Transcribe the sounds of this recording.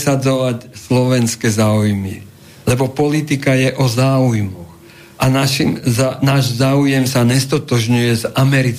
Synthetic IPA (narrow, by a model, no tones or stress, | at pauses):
sad͡zɔʋacslɔʋɛnskɛzaːujmi | lɛbɔpɔlit̪ikajɛʔɔzaːujmɔɣ | ʔanaʃimnaːʒzaːujɛmsaɲɛst̪ɔt̪ɔʒɲujɛzamɛɾit͡s